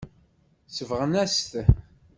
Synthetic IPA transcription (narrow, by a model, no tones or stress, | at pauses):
səvʁənæst̪